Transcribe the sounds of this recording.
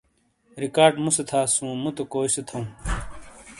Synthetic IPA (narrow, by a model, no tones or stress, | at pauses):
ɾikaːɾɖmuset̪ʰaːsũːmut̪okoːjset̪ʰɐũː